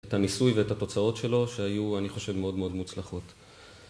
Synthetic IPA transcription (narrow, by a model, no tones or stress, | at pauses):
tanisujveetato̞t͡sao̞tʃe̞lo̞ʃeajuaniχo̞ʃe̞vmeo̞dmeo̞d̪mut͡slaχo̞t